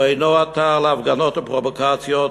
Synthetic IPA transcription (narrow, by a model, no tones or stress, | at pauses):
ejnoat̪alavɡanot̪apʁovokat͡sjo